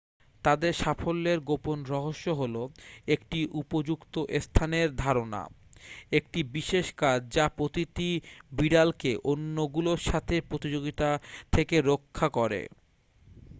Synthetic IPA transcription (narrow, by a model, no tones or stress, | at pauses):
t̪ad̪eɾʃafolːeɾɡoponɾɔɦoʃːoɦoloekʈiʔupod͡ʑukt̪oʔest̪ʰaneɾd̪ʱaɾona̰ | ek̚ʈibiʃeʃkaɾd͡ʑapɾot̪it̪ibiɖalkeʔonːoɡuloɾʃat̪ʰepɾot̪id͡ʑoɡit̪at̪ʰekeɾokʰːakɔɾḛ